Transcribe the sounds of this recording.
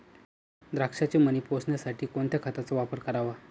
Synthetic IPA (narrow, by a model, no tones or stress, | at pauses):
d̪ɾakʂat͡ɕeməniposnjasaʈʰiːkoɳt̪ʰjakʰat̪at͡səʋapəɾkəɾaʋa